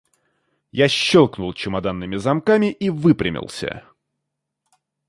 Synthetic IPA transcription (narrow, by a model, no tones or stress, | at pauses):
jaɕːolˠknʊlˠt͡ɕɪmɐd̪anːɨmʲɪzɐmkamʲɪʔivɨpɾʲɪmʲɪ̰lˠsʲə̰